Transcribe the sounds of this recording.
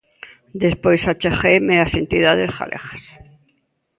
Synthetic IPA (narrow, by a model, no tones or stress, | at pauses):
d̪espojsat͡ʃeχejmeasent̪iðaðesχa̰lʔḛχḁs